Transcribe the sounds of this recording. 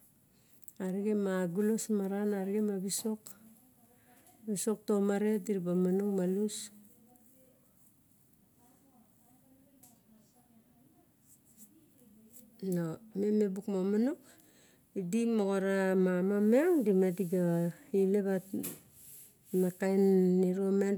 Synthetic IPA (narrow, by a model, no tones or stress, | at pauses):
aɾiɡemaɡulosmaɾanaɾiɡemabiso̞k | βiso̞k̚tomaɾediɾibamanoŋmalus | nomeme̞bukmomanok | idimoɣoɾamamameŋdimediɡaileβa | makajnːiɾome